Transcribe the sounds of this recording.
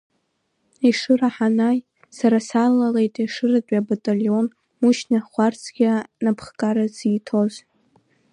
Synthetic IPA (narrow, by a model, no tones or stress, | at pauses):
iʂɨraħanaj | saɾasalːale̞jtʼiʂɨratʼabatʼaljo̞n | muʃnaχʷart͡sʰɡʲanapʰχkʼaɾaziːtʰo̞z